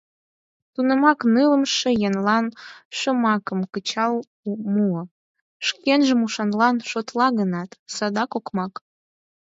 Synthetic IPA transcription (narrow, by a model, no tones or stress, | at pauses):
t̪unə̆mɑknɯləmʃĕjenlɑnʃə̆mɑkəmkət͡ɕɑl | umuə | ʃkenʒə̆muʃɑnlɑnʃot̪lɑɣənɑt̪sɑd̪ɑkokmɑk